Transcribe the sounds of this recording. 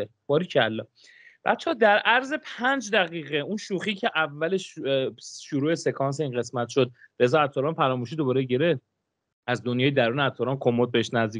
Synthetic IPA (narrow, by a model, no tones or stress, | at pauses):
e | b̥ɒːɾiːcʰælːɒ | b̥æ̰t̪t͡ʃʰːeɒːd̪æɾʔæɾze̞pʰænd͡ʒd̪æɣiːɣeunʃuːxiːcʰe̞ʔævːæleʃ | ʃuɾuːese̞kʰɒːns̬einɣe̞smæt̪ʃod̪̚ɾe̞zɒːæt̪ʰːɒːɾɒːnpʰæɾɒːmuʃ̬iːd̪obɒːɾeɟeɾe | æzd̪onjɒːjed̪æɾuːneæt̪ʰːɒɾɒːnkʰomot̪̚beeʃnæzd̪i